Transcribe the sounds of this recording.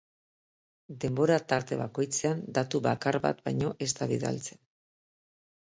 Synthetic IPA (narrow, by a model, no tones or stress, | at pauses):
d̪e̞mbo̞ɾat̪aɾt̪e̞βako̞jt͡se̞and̪at̪uβakarβa̰t̪̚bajɲo̞ʔe̞st̪aβiða̰lt͡se̞n